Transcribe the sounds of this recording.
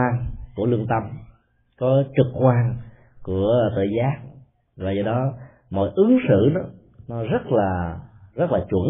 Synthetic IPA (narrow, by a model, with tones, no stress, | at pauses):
aː˧nku˧˩əlɨ˧əŋt̪ə˧m | kɔ˨˦t͡ɕɨ˨˩k̚kːwaː˧ŋ | ku˧˩ət̪ə̰ː˧˨˩zaː˦˥k̚ | vaː˨˩zɔ˧˩ɗɔ˨˦ | mɔ̰˧˨jʔɨ˨˦ŋsɨ̰˧˨nɔ˨˦ | nɔ˨˦zə˦˥t̚laː˨˩zə˦˥t̚laː˨˩t͡ɕwə̰˧˩n